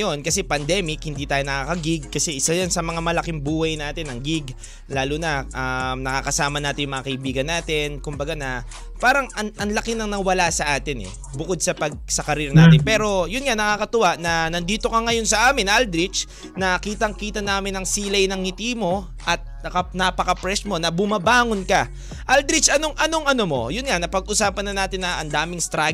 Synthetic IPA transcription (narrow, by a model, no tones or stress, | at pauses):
jo̞nkɐsɛpɐnd̪ɛmɪkhɪnd̪iːt̪aːjonɐkaːkɐɡɪɡ̚kɐsɛʔɪsajɐnsɐmɐŋamɐlɐkɪŋbuːhɐjnaːt̪ɪnɐŋɡɪɡ | laːlunɐʔɐmnɐkakɐsaːmɐnaːt̪ɪnjʊŋmɐŋakɐʔibiːɡɐnːaːt̪ɪnkʊmbɐɡanɐ | paːɾɐŋɐŋɐnlɐkɪnɐŋnɐŋwɐlasɐʔaːt̪ɪnɛ̰ | bʊkod̪̚sɐpɐɡ̚sɐkɐɾiːɾɐnaːt̪ɪnpɛːɾo̞jʊnŋanɐŋaːkɐt̪ʊwaʔnɐnɐnd̪iːt̪o̞kɐŋɐjo̞nsɐʔaːmɪnʔald̪ɾɪt͡ʃ | nɐkiːt̪ɐŋkiːt̪ɐnaːmɪnɐŋsiːlɐjnɐŋɪt̪iːmo̞ | ʔɐt̪̚nɐkɐnɐpɐkɐpɾɛsmo̞nɐbʊmɐbaːŋonkɐ | ʔɐld̪ɾɪt͡ʃʔɐno̞ŋʔɐno̞ŋʔɐnomo̞̰jʊnŋanɐpɐɡ̚ʔʊsaːpɐnːɐnaːt̪ɪnːɐʔɐnd̪aːmɪŋst̪ɾa